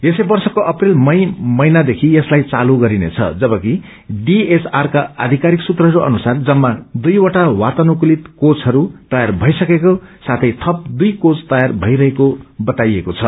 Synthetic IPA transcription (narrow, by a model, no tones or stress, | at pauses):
esʌjbʌrsʌkoʔʌprilmʌjmʌjnad̪ekʰieslajt͡saluɡʌɾinḛt͡sʰʌ̰d͡zʌbʌki | ɖiesarkaa̰d̪ʱikaɾiksut̪rʌɦʌɾuʔʌ̰nusard͡zʌmːad̪ujwaʈawat̪ʌnukulit̪kot͡sɦʌɾut̪ʌjarbʱʌjsʌkekosat̪ʰʌjt̪ʰʌp̚d̪ujkot͡st̪ʌjarbʱʌiɾʌɦekobʌt̪ajekot͡sʰʌ